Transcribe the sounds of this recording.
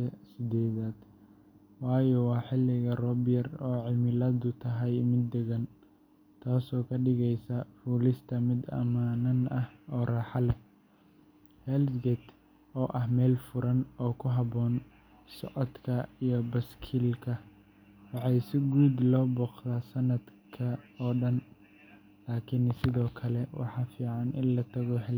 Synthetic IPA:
ɛsɪd̪ɛːðaːd̪̥ | wɑːjɔwɑːħɪlɪɣɐrɔbɪjɐrɔːʕɪmɪlɐd̪ʊt̪ʰɐɦɛjmɪd̪ɛɣɐn | t̪ʰaːsɔːkʰɐɖɪɣɛjsɐfuːlɪst̪ʰɐmɪd̪ɐ̰maːnɐnɐhɔːraːħɑlɛ | hɛlsɡɛt̪ʰ | ɔːʔɐhmɛːlfʊɾɐnɔːkʰʊɦɑβɔːn | sɔʕɔd̪kʰɐijɞbɐskʰilkʰɐ | wɑħɑjsɪɡuːd̪lɔːbɔːqt̪aːsɐnɐd̪kʰɐɔːɖɐn | laːkʰɪnsɪðɔːkʰɐlɛwɑ̰ħɑːfiːʕɑnɪ̰nlɐt̪ʰɐɣɔɦɛl

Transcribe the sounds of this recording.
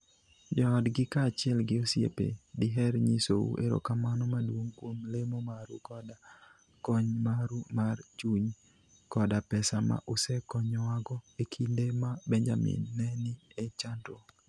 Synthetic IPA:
d͡ʒɔːdɡɪkaːt͡ʃɪɛlɡɪosjḛpḛdɪɦɛɾɲiso̰ṵʔḛɾo̰kamanɔmadwoŋkwomlemomaɾṵkɔda | kɔɲmaɾumart͡ʃuɲ | kɔdapɛsama̰ʔusɛkɔɲɔwaɡɔekʰindemabɛɲd͡ʒamɪ̰nːɛnɪet͡ʃanto

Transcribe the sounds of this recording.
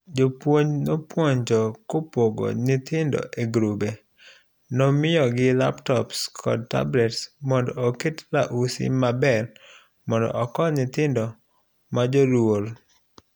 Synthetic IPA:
d͡ʒopwoɲnopwoɲd͡ʒɔkopoɡo̰nɪt̪ɪndɔ̰ʔeɡɾube | nɔmɪjɔɡɪla̰ptɔpskʰɔ̰d̚ta̰blɛtsmɔndɔoketlaʔusɪ̰mabɛl | mɔndɔ̰ʔɔkɔnɪt̪ɪndɔ | mad͡ʒolwol

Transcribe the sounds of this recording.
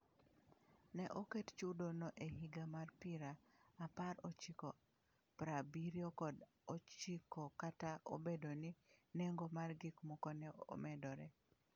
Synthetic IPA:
nɛʔokett͡ʃudonoʔehiɡamarpiɾaapaɾot͡ʃiko | pɾabiɾjokɔd | ot͡ʃikokataʔo̰bedoninɛŋɡomarɡikmɔkɔnɛo̰mɛdɔɾɛ

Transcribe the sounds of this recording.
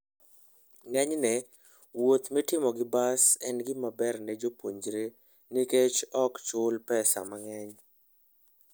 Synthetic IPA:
ŋɛɲnɛ | wot̪mɛtɪmɔɡɪbasɛnɡɪmabɛrnɛd͡ʒopoɲd͡ʒɾe | niket͡ʃɔkt͡ʃʊlpɛsa̰maŋɛɲ

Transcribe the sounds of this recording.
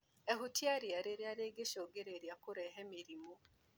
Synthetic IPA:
ehutjaɾjaɾeɾjaɾeɡeʃoɡeɾeɾjakoɾɛɦɛmeɾimo

